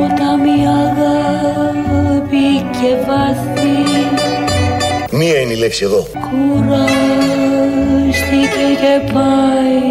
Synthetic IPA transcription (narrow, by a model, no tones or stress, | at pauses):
ot̪ɐmiɐðɐ | bicevɐsis | miɐineileksieðo | kʰuɾɐ | st̪ikecepɐj